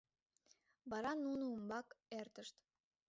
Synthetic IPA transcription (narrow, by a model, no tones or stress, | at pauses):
βɑɾɑnunuumbɑkert̪əʃt̪